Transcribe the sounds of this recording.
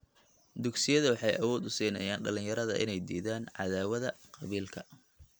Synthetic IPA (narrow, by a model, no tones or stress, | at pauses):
d̪ʊɡsɪjɐðɐwɑħɑjʔɐwɔːd̪ʊsiːnɐ̰jaːnɖɐlɪ̃njɐɾɐðɐ̰ʔɪ̰nɛjd̪iːðaːnʕɑ̰ðaːwɐðɐqɑβiːlkʰɐ